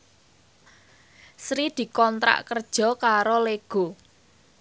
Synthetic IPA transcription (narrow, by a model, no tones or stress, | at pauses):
sɾid̪̥i̤kɔnt̪ɾa̰ʔkərd̥ʒ̥ɔ̤kaɾoleɡ̥o̤